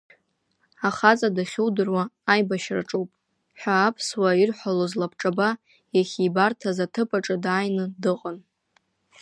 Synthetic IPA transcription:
aχat͡sʼadaχʲuwdɨrwaːjbaʃra̰ʈ͡ʂʼuwpʼ | ħʷᶣaːpʰswairħʷalozlapʰʈ͡ʂʼaba | jaχʲibartʰazatʰɨpʼaʈ͡ʂʼɨdaːjnɨdɨqʼən

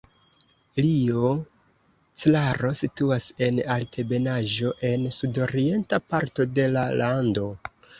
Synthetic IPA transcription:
lio | t͡slaɾo̞situase̞naltʰe̞be̞naʒo̞ʔe̞nsudo̞ɾie̞ntapaɾto̞de̞lalʔando̞

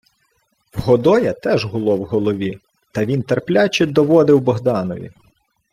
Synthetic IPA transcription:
wɦɔd̪ɔjɐt̪ɛʒɦʊlˠɔwɦɔlˠɔʋʲi | t̪ɐʋʲint̪erplʲat͡ʃɪd̪ɔʋɔd̪ɪwbɔɦd̪ɑnɔʋʲḭ

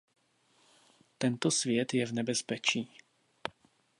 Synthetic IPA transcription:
t̪ɛnt̪osvjɛt̪jɛvnɛbɛspɛt͡ʃiː

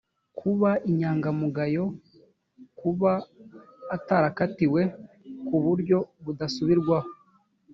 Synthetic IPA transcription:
kʰuβaʔiɲaːŋɡamuɡajo̞ | kuβaː | taɾakatiwe̞ | kuβuɾɟo̞βudasuβiɾɡwaho

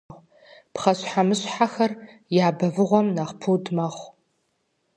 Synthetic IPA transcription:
pχɐɕħamɨɕħaxɐr | jaːbɐvɨʁʷɔmnaχpʰuwdmɐχʷ

